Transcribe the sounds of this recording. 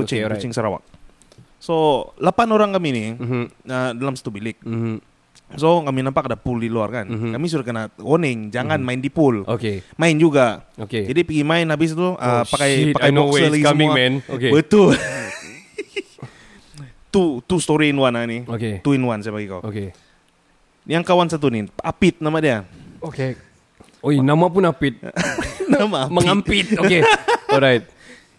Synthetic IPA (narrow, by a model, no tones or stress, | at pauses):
kut͡ʃɪŋkkut͡ʃɪŋsəɾawa̰k̚ | solapanoɾaŋkaminɪ | ədalamsḁt̪ubilɪk̚ | sokaminampakadapuldiluarkankamis̬udahkənawonɪŋd͡ʒaŋanmaɪndipʊlokemaɪnd͡ʒuɡaoked͡ʒadipiɡimaɪnabɪs̬t̪ʊʔəpakajpaajɔksəlaɡiəmɛnokebət̪ʊl | t̪ut̪ust̪oɾiːnwananioket̪uinwansajapaɡikawoke | jaŋkawansat̪̬uniapɪt̪̚namadiaoke | oinamapʊnapɪt̪̚namaməŋampɪt̪oeɔɾajt̪̚